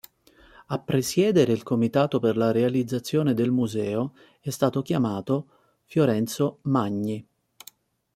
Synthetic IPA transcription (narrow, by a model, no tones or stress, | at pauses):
apːɾesjɛːd̪eɾeilkomit̪aːt̪operlaɾealid̪zːat̪sːjoːned̪elmuzɛːo | ɛst̪aːt̪ok̟jamaːt̪o | fjoɾɛnt̪somaɲːi